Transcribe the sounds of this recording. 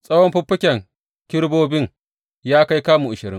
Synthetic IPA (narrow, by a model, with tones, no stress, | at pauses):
sʼɐ˦wɔ˦mɸʊ˦pːɪ˦kʲɛ˨ŋ | kʲɪ˦ɽboː˦bɪ˦ŋ | jaː˦ka˦jkaː˦mu˨ʔʊ˨ʃɪ˨ɾɪ˦ŋ